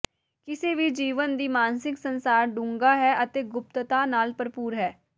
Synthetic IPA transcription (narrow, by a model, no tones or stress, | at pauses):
kɪseːʋiːd͡ʒiːʋənd̪iːmãːnsɪksənsaːɾɖũːŋɡaːɦɛːʔət̪eːɡʊp̚t̪t̪aːnaːlpəɾpuːɾɦɛː